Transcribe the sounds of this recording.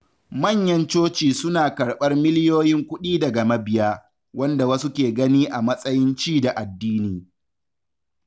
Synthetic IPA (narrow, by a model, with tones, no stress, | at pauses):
mɐ˦˨ɲjɐ˦nt͡ʃoː˦t͡ʃiː˨sʊ˦naː˨kɐ˨ɽɓɐ˦rmɪ˦lɪ˦joː˦jɪ˦ŋkʷʊ˦ɗiː˦dɐ˨ɡɐ˨mɐ˦bɪ˨ja˦ | wɐ˦nda˨wɐ˦su˦kʲeː˨ɡɐ˦niː˦ʔa˨mɐ˦sʼɐ˦jɪ˦nt͡ʃiː˦da˨ʔa˨dːiː˦niː˨